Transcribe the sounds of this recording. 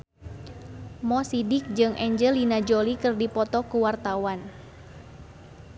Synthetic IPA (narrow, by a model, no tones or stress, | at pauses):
mɔsidɪk̚d͡ʒɨŋʔɛɲd͡ʒəlinad͡ʒolikɨrdipɔt̪ɔkuwart̪awan